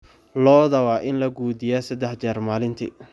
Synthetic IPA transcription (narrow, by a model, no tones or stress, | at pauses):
lɔːðɐwɑːʔɪnlɐɡuːd̪ɪjaːsɐd̪ɛħt͡ʃɛːrmaːlɪnt̪ʰɪ̰